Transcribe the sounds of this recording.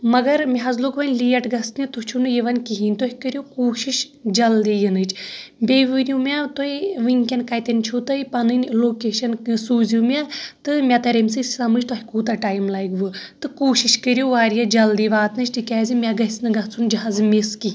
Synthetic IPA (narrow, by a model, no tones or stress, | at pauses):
mɐɡɐɾmʲiɦɐzlokʋɐnʲliːɐʈɡɐst̪nʲit̪ut͡ʃʰunɨjiʋɐnʲkiɦinʲt̪oɦikəɾjokoːʃiʃ | d͡ʒɐld̪iːjɨnɨt͡ʃʰbʲeʋɨɾʲjumʲat̪oiʋɨnʲkʲɐnkɐjt̪ɐnʲt͡ʃʰut̪ɨipɐnɨnʲloːkeːʃɐnsuːzʲjumʲat̪ɨmʲat̪ɐɾɐmʲsɨssɐmɨd͡ʒt̪oɦʲkuːt̪ɐʈaːjmlajkʋɨt̪ɨkoːʃiʃkəɾʲjoʋaːɾjɐd͡ʒɐld̪iːʋaːt̪nɨt͡ʃʰʈikʲaːzʲɨmʲaɡɐsnɨɡɐt͡sʰund͡ʒɐɦazmeski